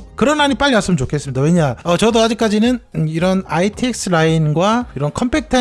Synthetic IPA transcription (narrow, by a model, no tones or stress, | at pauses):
kɯɾʌnɦaɲip͈aʎːimas͈ɯmɯnt͡ɕokʰe̞s͈ɯmɲidaweɲaʌt͡ɕʌdoad͡ʑik͈ad͡ʑinɯniɾʌnaitʰek̚s͈ʰɯɾainɡwaiɾʌnkʰʌmpʰek̚tʰa